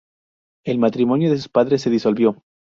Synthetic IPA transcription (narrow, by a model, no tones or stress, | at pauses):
e̞lmat̪ɾimo̞njo̞ðes̬u̥spaðɾesːe̞ðiso̞lβjo̞